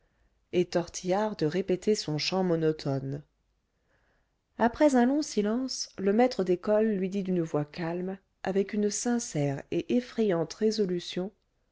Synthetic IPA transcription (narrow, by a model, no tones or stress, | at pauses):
et̪ɔʁt̪ʰijaʁd̪əʁepet̪ʰesɔ̃ʃɑ̃mɔnɔt̪ʰɔn | apχɛzɛ̃lɔ̃silɑ̃sləmɛt̪χəd̪ekɔlːɥid̪id̪ynəvwakalm | avɛkynsɛ̃sɛʁeʔefχɛjɑ̃t̪ʁezɔlysjɔ̃